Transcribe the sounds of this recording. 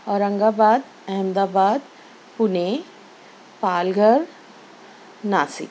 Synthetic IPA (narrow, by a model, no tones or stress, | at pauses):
ɔːɾɐ̃ŋɡaːbaːd̪ | ɛɦmd̪aːbaːd̪ | pʊne | paːlɡəɾ | naːsɪ̰k